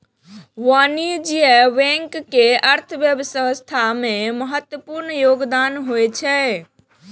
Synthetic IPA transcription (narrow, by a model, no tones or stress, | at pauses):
ʋanid͡ʒiɛʋɛ̃ŋkːeʔəɾt̪ʰəbjəbəsəst̪ʰameməɦət̪wəpuɾnjoɡd̪anɦojt͡ʃʰɛ